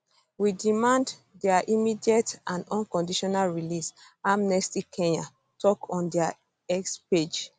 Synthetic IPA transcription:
widimãnd | dɛaʔimidiɛtãndɔ̃nkɔ̃ndiʃɔnalɹilis | amnɛstikʰɛ̃ɲã | tʰɔkʰɔ̃ndɛa | ɛksped͡ʒ

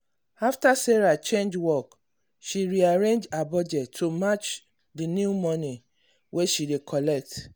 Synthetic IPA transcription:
aftasɛɹat͡ʃẽnd͡ʒwɔk | ʃiɹiaɹẽnd͡ʒabɔd͡ʒɛtʰːomat͡ʃ | dinjumɔ̃ni | wʔeʃidekʰɔlɛk̚t

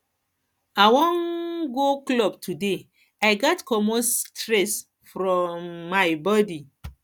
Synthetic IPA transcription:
awɔ̃nɡoklɔb̚tʰude | aɪɡɔtkɔmostɹɛs | fɾɔ̃mːajbɔdi

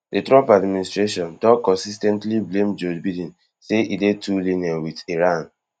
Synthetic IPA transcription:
dətɹɔpadministɹeʃɔ̃ndɔkɔ̃nsistɛ̃ntliblẽmd͡ʒɔd͡ʒbidĩn | seʔidetʰulinɛwitiɹãn

